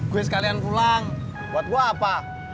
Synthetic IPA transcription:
ɡ̥uɛs̬əkaliankulaŋ | buat̪̚ɡuaːpa

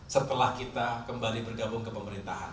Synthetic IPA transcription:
sət̪əlahkit̪akəmbalibərɡabʊŋkəpəməɾint̪aɦa̰n

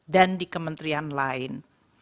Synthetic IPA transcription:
dandikəmənt̪ɾianlaɪn

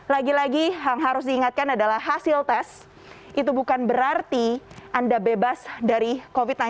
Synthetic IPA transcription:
laɡilaɡiɦaŋɦaɾʊs̬diːŋat̪̚kanadalahɦasɪlt̪ɛs | ʔit̪̬ubukanbəɾart̪iʔandabebasdaɾikofit̪̚na

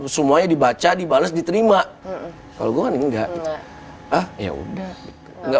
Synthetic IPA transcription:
səmuaɲadibat͡ʃadibaləsdit̪əɾima | ka̰loɡuaŋanəŋɡaʔɡit̪u | əhja̰ṵdahɡit̪u̥ŋɡa

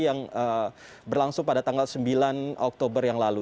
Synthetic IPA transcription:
jaŋə | bərlaŋsʊŋpadat̪aŋɡalsəmbilanʔɔk̚t̪obərjaŋlalu

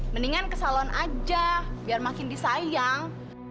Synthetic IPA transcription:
məniŋankəsalɔnʔad͡ʒabiarmakɪndisajaŋ

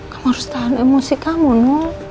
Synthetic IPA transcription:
kamɔɾst̪anemusikamunu

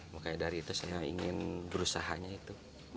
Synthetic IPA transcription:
makajadaɾiːt̪usajaḭŋɪnbəɾusaɦaɲait̪u

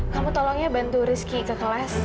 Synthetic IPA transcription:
kamut̪ɔlɔŋɲabant̪uɾɪskikəkəlas

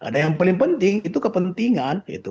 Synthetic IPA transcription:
ʔa̰dajaŋpalɪŋpənt̪ɪŋit̪ukəpənt̪iŋanḭt̪u

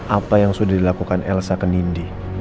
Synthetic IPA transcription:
ʔapajaŋsudahdilakukanɛ̰lsakənindi

